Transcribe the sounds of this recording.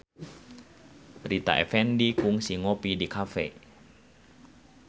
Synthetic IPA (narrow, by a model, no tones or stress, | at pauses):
rit̪a̰ʔɛ̰fɛndikuŋsiŋopidikʰafḛ